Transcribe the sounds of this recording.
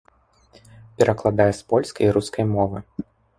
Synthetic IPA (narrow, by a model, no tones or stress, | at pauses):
pʲɛɾʔɐklˠad̪ajɛspɔlʲskɐjɾuskʰɐjmɔvɨ